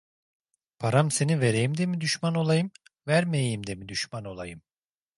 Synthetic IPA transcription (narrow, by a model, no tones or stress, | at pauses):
pʰaɾamse̞nive̞ɾejimd̪e̞mid̪yʃmano̞lˠajɯm | væɾmejejimd̪e̞mid̪yʃmano̞lˠa̰jɯm